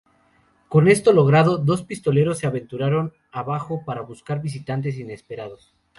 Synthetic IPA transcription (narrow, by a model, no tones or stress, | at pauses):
ko̞ne̞st̪o̞lo̞ɣɾað̞o̞ðo̞spist̪o̞le̞ɾo̞sːe̞aβe̞nt̪uɾaɾo̞n | aβaxo̞paɾaβuskaɾβis̬it̪ant̪̬e̞s̬ine̞spe̞ɾað̞o̞s